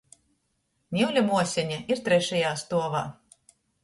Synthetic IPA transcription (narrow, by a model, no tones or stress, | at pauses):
nʲiwlʲumuɔsʲɛɲaʔiɾt̪ɾɛʃɛjaːst̪uɔva̰ː